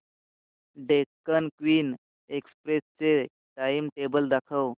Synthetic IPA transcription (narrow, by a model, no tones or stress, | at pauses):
ɖekːənkʋiːn | ekspɾest͡se | ʈaimʈebəld̪akʰəw